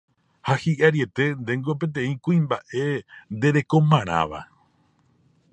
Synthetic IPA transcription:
hahiʔaɾie̞t̪e̞nd̪e̞ŋɡo̞p̬ẽ̞t̪̬ẽ̞ĩkuĩmbaʔe̞nd̪e̞ɾe̞kõ̞mãɾ̃ã̰ʋa̰

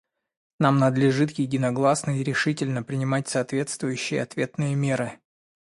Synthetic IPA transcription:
namnəd̪lʲɪʐɨt̪̬jɪdʲɪnɐɡlˠasnəiɾʲɪʂɨtʲɪlʲnəpɾʲɪnʲɪmat̚ʲsɐːt̪vʲe̞t̪st̪vʊjʉɕːɪjəɐt̪vʲe̞t̪nɨjəmʲe̞ɾɨ

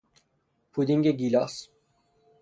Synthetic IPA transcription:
pʰud̪iŋɡʲeɡilʲas

